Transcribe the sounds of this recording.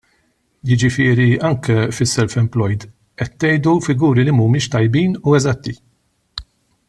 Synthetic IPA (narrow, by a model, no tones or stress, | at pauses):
jɪd͡ʒɪfɪːɾiɐŋkɛfɪsːɛlfɛmplɔjd̪ | ɛt̪ːɛjd̪ufɪɡuːɾilimumɪːʃt̪ɐjbiːnuɛzɐt̪ːi